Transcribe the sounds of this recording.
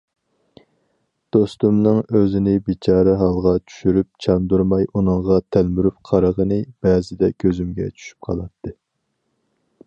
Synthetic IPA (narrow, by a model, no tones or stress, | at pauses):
d̪̥ost̪umnɨŋøzɪnɪbit͡ʃʰɑːɾɛɦɑlˠʁɑt͡ʃʰy̥ʃyɾyp̚t͡ʃʰɑnd̪uɾmɑjʔunɨŋʁɑt̪ʰælmyɾyp̚qʰɑɾəʁənɨb̥ɛːzɪd̪ɛkʲʰøzymɡʲɛ̰t͡ʃʰy̥ʃy̥p̚qʰɑlˠɑt̪ʰːɨ